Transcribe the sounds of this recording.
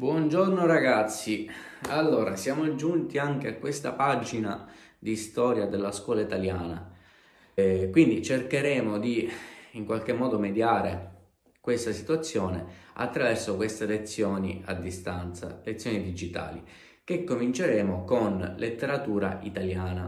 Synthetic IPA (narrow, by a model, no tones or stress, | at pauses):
bwɔnd͡ʒornoɾaɡat̪sːialːoːɾʔasjaːmod͡ʒunt̪iaŋk̟eakːwest̪a̰pad͡ʒina | d̪ist̪ɔːɾjad̪elːaskwɔːlait̪aljaːna | kwind̪it͡ʃerkeɾɛːmod̪iːŋkwalk̟emːɔːd̪omed̪jaːɾe | kwest̪asi̥t̪uat̪sːjɔːnea̰t̪ːɾavɛrsokwest̪elet̪sːjɔːnḭa̰d̪ːist̪ant̪sa̰let̪sːjɔːnid̪id͡ʒit̪a̰ːlḭ | kekːomint͡ʃeɾɛːmokonlʔet̪ːeɾat̪uːɾa̰it̪aljaːna